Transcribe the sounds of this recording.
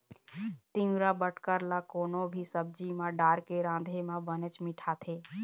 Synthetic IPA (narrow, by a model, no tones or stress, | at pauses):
t̪ɪ̃mɾabəʈkəɾlakoːnobʱisəb̚d͡ʒimãɖaːɾkeɾãːd̪ʱemãbənət͡ʃmɪʈʰat̪ʰeː